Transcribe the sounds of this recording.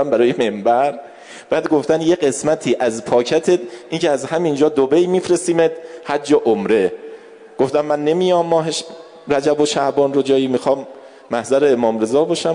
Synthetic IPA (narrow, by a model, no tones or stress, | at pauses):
æmbæɾɒːjeme̞mbæɾ | b̥æːd̪ɡo̞ft̪ænje̞ɢe̞smæt̪ʰiːʔæzpʰɒːcʰæt̪ʰed̪ʔincʰeæzhæmind͡ʒɒːd̪obe̞jmiːfɾe̞st̪iːmed̪hæd̪d͡ʒɒːʔomɾe̞ | ɡ̥o̞ft̪æmːænːe̞mijɒmːɒːɦeʃ | ɾæd͡ʒæboʃæhbɒːnrod͡ʒɒːjiːmixɒːmː | æhzæɾeːmɒːmɾe̞zɒːbɒːʃæ